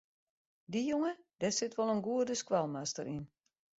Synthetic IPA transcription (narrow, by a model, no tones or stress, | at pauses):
dijoŋəd̥ɛsɪtʋɔlˠənɡuədəskwalˠmastə̰ɾin